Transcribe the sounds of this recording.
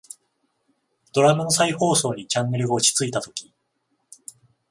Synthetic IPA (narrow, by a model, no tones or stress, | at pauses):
d̪̥o̞ɾamɯ̃saiho̞ːso̞ːɲ̟it͡ɕãŋːe̞ɾɯ̟ɡat͡ɕi̥t͡sɨit̪at̪o̞kʲi̥